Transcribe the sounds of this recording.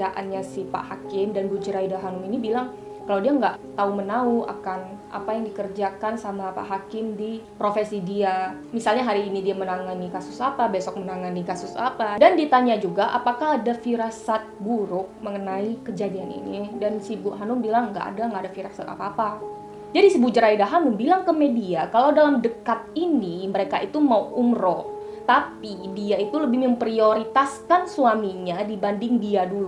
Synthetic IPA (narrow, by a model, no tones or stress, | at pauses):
aʔanɲasɪhpa̰ʔɦakɪmdanbud͡ʒuɾaidaɦanʊminibilaŋ | kalawdiaŋɡaʔt̪aumənaua̰kanʔa̰pajaŋdikərd͡ʒakansamapa̰ʔɦakɪmdipɾofesidia | misalɲaɦaɾiːnidiamənaŋanikasʊsapabesɔk̚mənaŋanikasʊsa̰padandit̪aɲad͡ʒuɡaʔa̰pakaɦadafiɾasat̪̚buɾʊk̚məŋənaikəd͡ʒadianḭnidansibuʔɦanʊmbilaŋɡa̰ʔa̰daŋɡaːdafiɾasat̪a̰paːpa | d͡ʒadisibud͡ʒəɾaidaɦanʊmbilaŋkəmediakalawdalamdəkat̪̚iniməɾekait̪umauʔumrɔ | t̪apidiait̪uləbɪhməmpɾioɾit̪askansuamiɲadibandɪŋdiadulu